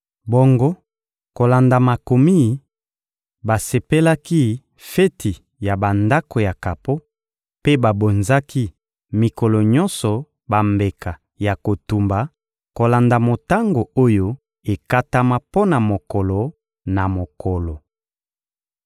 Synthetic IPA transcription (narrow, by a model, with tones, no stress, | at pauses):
bo˦ŋɡo˦ | ko˨la˨nda˨ma˨ko˨mi˦˨˦ | ba˨se˨pe˦la˦ki˦ | fe˦ti˨ | ja˨ba˨nda˦ko˨ja˨ka˨po˦ | pe˦ba˨bo˨nza˦ki˦ | mi˨kɔ˨lɔ˨ɲɔ˦nsɔ˨ | ba˨mbe˨ka˨ | ja˨ko˨tu˨mba˨ | ko˨la˨nda˨mo˨ta˦ŋɡo˨o˦jo˦ | e˨ka˦ta˦ma˦po˦na˨mo˨kɔ˨lɔ˨ | na˨mo˨kʰɔ˨lɔ˨